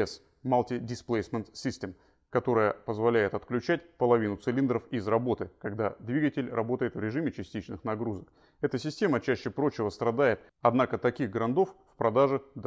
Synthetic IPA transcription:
ɛs | malˠtʲɪdʲɪsplˠejsmʲɛnt̪sʲisʲtʲem | kɐt̪o̞ɾəjəpəzvɐlʲæjɪt̪ɐt̪klʲʉt͡ɕætʲpəlˠɐvʲinʊt̪sɨlʲind̪ɾəfɪzrɐbo̞t̪ɨkɐɡd̪ad̪vʲiɡətʲɪlʲrɐbo̞t̪əjɪt̪vɾʲɪʐɨmʲɪt͡ɕɪsʲtʲit͡ɕnɨxnɐɡɾuzək̚ | ɛt̪əsʲɪsʲtʲe̞mət͡ɕæɕːɪpɾo̞t͡ɕɪvəst̪ɾɐd̪ajɪt̪̚ | ɐd̪nakət̪ɐkʲiɣɡɾɐnd̪o̞ffpɾɐd̪aʐɨd̪

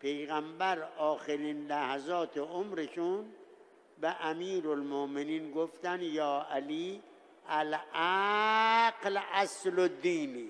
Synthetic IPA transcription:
pʰejɣæmbæɾʔɒːxeɾiːnlæhæzɒːt̪ʰeomɾeʃun | beʔæmiːɾolmoʔmeniːnɡoft̪ænjɒːʔæliː | ælʔæ | ɡlæslod̪iːni

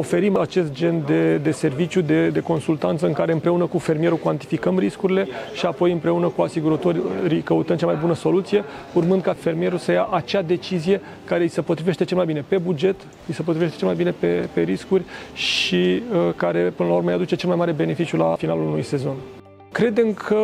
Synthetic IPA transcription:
o̞fe̞ɾimat͡ʃe̞st̪̚d͡ʒe̞nd̪e̞d̪e̞se̞rvit͡ʃjud̪e̞d̪e̞ko̞nsult̪ant̪səɨŋkaɾeɨmpɾe̞unəkufe̞rmieɾukwant̪i̥fikəmriskuɾile̞ʃiapo̞jɨmpɾe̞unəkuasiɡuɾət̪o̞rʲɾikəut̪ənd̪̚t͡ʃamajbunəso̞lut̪sije̞urmɨnd̪kafermije̞ɾusəjaʔat͡ʃad̪e̞t͡ʃizije̞ | kaɾe̞isəpot̪ɾive̞ʃt̪e̞t͡ʃe̞lmajbine̞pe̞bud͡ʒe̞t̪ | isəpot̪ɾive̞ʃt̪e̞t͡ʃelmajbine̞pe̞pe̞ɾiskurʲʃikaɾe̞pɨnəlauɾmejad̪ut͡ʃe̞t͡ʃelmajmaɾe̞be̞nefit͡ʃjula̰finalulunujse̞zo̞n | kɾe̞d̪emkʰə

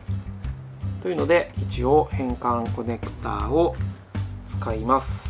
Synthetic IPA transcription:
t̪o̞jɯ̟no̞d̪e̞it͡ɕioːhẽ̞ŋkãŋko̞ne̞kɯ̟̥t̪a̰ːo | t͡sɨ̥kaimasɨ̥

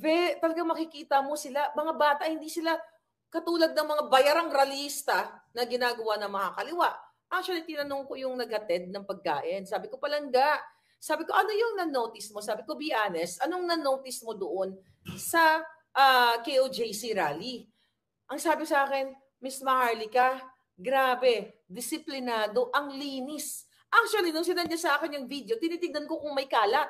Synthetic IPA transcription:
bɛt̪ɐlɐɡaŋmɐkɪkiːt̪ɐmo̞sɪlamɐŋabaːt̪ɐʔhɪnd̪iːsɪla | kɐt̪uːlɐɡ̚nɐŋmɐŋabɐjaɾɐŋɾɐlist̪ɐnɐɡɪnaːɡɐwanɐŋmɐkakɐlɪwaʔ | ʔak̚t͡ʃʊwɐlit̪ɪnɐnoŋko̞jʊŋnɐɡ̚hɐt̪ɛd̪̚nɐŋpɐɡ̚ka̰ːʔɪnsaːbɪko̞pɐlɐŋɡaʔ | saːbɪko̞ʔɐno̞jʊŋnɐnowt̪ɪsmosaːbɪko̞biʔaːnɛsʔɐnoŋnɐnowt̪ɪsmo̞d̪oʔo̞n | sɐ | ʔakejʔod͡ʒejsiɾaːli | ʔɐŋsaːbɪksɐʔaːkɪn | mismɐhaɹlikɐ | ɡɾaːbɛd̪ɪsɪplɪnaːd̪o̞ʔɐŋliːnɪs | ʔak̚t͡ʃwɐlinʊŋsɪd̪ɐnɲasɐʔaːkɛnjʊŋvid̪eot̪ɪniːt̪ɪŋd̪ɐnko̞kʊŋmɐjkaːlɐt̪̚

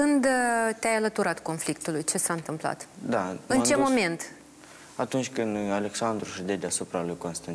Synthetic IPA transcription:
ɨnd̪t̪eajalət̪uɾat̪ko̞nflikt̪ulujt͡ʃe̞saɨnt̪ɨmpla̰t̪d̪aɨnt͡ʃe̞mo̞me̞nt̪ | at̪unt͡ʃʲkɨnd̪ale̞ksand̪ɾuʃɨd̪ed̪ʲasupɾalujkonst̪an

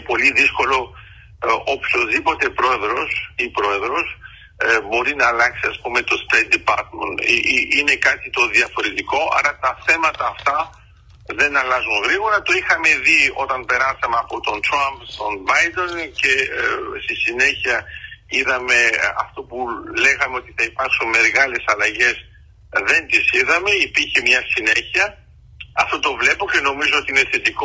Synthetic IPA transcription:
po̞liðisko̞lo̞ | opço̞zðipo̞t̪e̞pɾo̞e̞ðɾo̞sipɾo̞e̞ðɾo̞s | bo̞ɾinɐːlɐksiɐspume̞t̪o̞st̪ejt̪̚d̪ipɐɾt̪mḛnine̞kɐt̪it̪o̞ðiɐfo̞ɾet̪iko̞ʔɐ̰ɾɐt̪ɐθe̞mɐt̪ɐːft̪ɐ | ðe̞nɐlɐzunɣɾiɣo̞ɾɐt̪o̞ixɐme̞ðio̞t̪ɐnpe̞ɾɐsɐmeɐpo̞t̪o̞nt̪ɾɐmpst̪o̞nbɐjd̪once̞st̪isine̞çiɐiðɐme̞ɐ̰ft̪o̞pule̞ɣɐme̞o̞t̪iθɐipɐɾksunme̞ɾɣɐle̞sɐlɐʝe̞z | ðe̞nt̪isiðɐme̞ipiɾçe̞mɲɐsineçiɐ | ɐft̪o̞t̪o̞vle̞poce̞no̞mizoot̪iineθet̪iko

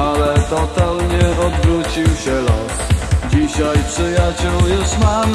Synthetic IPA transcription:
alɛt̪ɔt̪alɲɛʔɔd̪vɾut͡ɕiwɕɛlɔsd͡ʑiɕajpʂɨjat͡ɕɛljʊsmam

